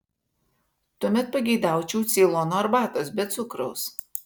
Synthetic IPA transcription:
t̪ʊɔmʲɛt̪̚pɐɡʲɛɪd̪ɑˑʊt͡ʃʲɛʊt̪sʲiːlˠonoːɐɾbɑːt̪oːsbʲɛt̪t̪sʊkɾɔʊs

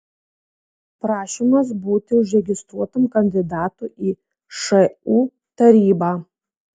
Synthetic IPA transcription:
pɾɑːʃʲɪmɐsbuːt̪ʲɪʊʒʲɾʲɛɡʲɪst̪ɾuɔt̪ɐmkɐnʲd̪ʲɪd̪ɑːt̪uːʔiː | ʃɐuː | t̪ɐɾʲiːbɑː

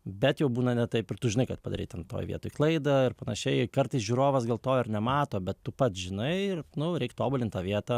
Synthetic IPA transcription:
bʲɛt̪jɛʊbuːnɐnʲɛt̪ɐɪpɪrt̪ʊʒʲɪnɐɪkɐt̪̚pɐd̪ɐ̰ɾʲiːt̪ʲɛnt̪o̰ːjʋʲḭɛt̪oːɪklˠɐɪd̪ɐɪrpɐnɐ̰ʃʲɛɪkɐrt̪ɐɪsʒʲuːɾoːʋɐsɡɐːlˠt̪oːɪrnʲɛmɑːt̪oːbʲɛt̪tʊpɐt̪ʒʲɪnɐɪɪrnʊɾʲɛɪkt̪oːbʊlʲɪnt̪ɑːʋʲiɛt̪ɐ

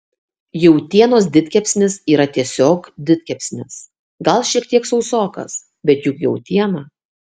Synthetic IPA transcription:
jɛʊt̪ʲiɛnoːsd̪ʲɪt̪ʲkʲɛpʲsʲnʲɪsiːɾɐt̪ʲiɛsʲoːkd̪ʲɪt̪ʲkʲɛpʲsʲnʲɪs | ɡɐlˠʃʲiɛkt̪ʲiɛksɒʊsoːkɐ̰s | bʲɛt̪jʊkjɛʊt̪ʲiɛnɐ

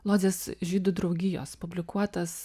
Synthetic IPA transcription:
lˠoːd͡z̪ʲeːsʒʲiːd̪ʊd̪ɾɒʊɡʲɪjo̰ːspʊbʲlʲɪkuɔt̪ɐs

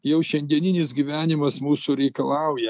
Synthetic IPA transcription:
jɛʊʃʲɛnʲd̪ʲiɛnʲɪnʲɪsɡʲiːʋʲæːnʲɪmɐsmuːsʊɾʲɛɪkɐlˠɐʊjɛ

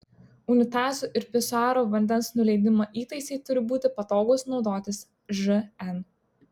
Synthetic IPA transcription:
ʊnʲɪt̪ɑːzuːʔɪɾpʲɪsɑːɾoːʋɐnʲd̪ʲɛnsnʊlʲɛɪd̪ʲɪmɐʔiːt̪ɐɪsʲɛɪt̪ʊɾʲɪbuːt̪ʲɪpɐt̪oːɡoːsnɒʊd̪oːt̪ʲɪs | ʒɨɛn

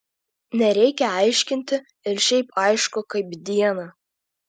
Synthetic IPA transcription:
nʲɛɾʲɛɪkʲɛɑɪʃʲkʲɪnʲt̪ʲɪ | ɪɾʃʲɛɪpɐɪʃkʊkɐɪbd̪ʲiɛnɐ

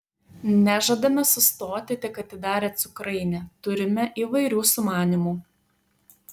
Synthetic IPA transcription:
nʲæʒɐd̪ɐmʲɛsʊst̪oːt̪ʲɪt̪ʲɪkɐt̪ʲɪd̪ɑːɾʲɛːt̪sʊkɾɐɪnʲɛt̪ʊɾʲɪmʲɛʔiːʋɐɪɾʲuːsʊmɑːnʲimuː

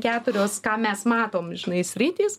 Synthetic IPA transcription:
kʲæːt̪ʊɾʲoːskɑːmʲɛsmɑːt̪oːmʒʲɪnɐɪsʲɾʲɪt̪ʲiːs

